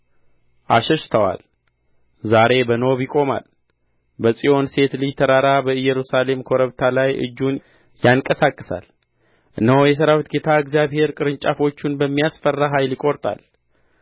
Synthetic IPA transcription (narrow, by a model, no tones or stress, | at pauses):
ʔaʃɛʃt̪ʰəwa̰l | zaɾe̞bəno̞βjɪkʼo̞ma̰l | bəsʼijo̞nse̞t̪lɨjt̪ʰəɾaɾabəɨjɛɾusale̞mkʰoɾəβt̪ʰalajʔɨ̰d͡ʒːun | jaŋkʼəsakʼːɨsa̰l | ʔɨnːəhojɛs̬əɾawt̪ɡet̪ʰaɨɡzjaβhe̞ɾkʼɨɾɨɲt͡ʃʼafo̞t͡ʃːunbəmːijasfərːaɦajlikʼo̞ɾt̪ʼa̰l